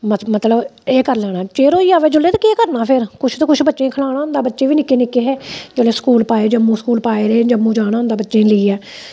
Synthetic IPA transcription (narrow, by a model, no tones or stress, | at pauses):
məmət̪ləbeːkəɾlɛːɽ̃aːt͡ʃeːɾoːiːaːʋeːd͡ʒʊleːt̪ːkeːkəɾnaːpʰɪɾkʊt͡ʃʰt̪õːkʊt͡ʃʰbətːʃẽːkʰəlaːɽ̃aːʊ̃nd̪aːbətːʃẽːʋiːnɪkːeːnɪkːeːɦɛːd͡ʒoːleːsə̥kuːlpaːeːd͡ʒəmːũːskuːlpaːeːɾeːd͡ʒəmːũːd͡ʒaːɽ̃aːʊnd̪aːbətːʃẽːləiːɛː